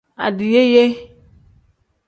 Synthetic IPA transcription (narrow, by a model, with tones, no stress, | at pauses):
a̰˨dɪ˨je˦je˦